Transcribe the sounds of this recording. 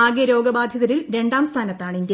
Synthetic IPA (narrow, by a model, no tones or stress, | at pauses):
aːɡejɐɾo̞ːɡɐbaːd̪ʱjɐðɐɾilɾe̞ɳɖaːmst̪ʰaːnɐt̪ːaːɳind̪j